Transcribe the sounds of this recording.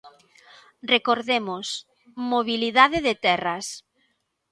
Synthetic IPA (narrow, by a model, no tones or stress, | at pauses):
rekoɾðemos | moβiliðaðɪðɪt̪ɛrɐs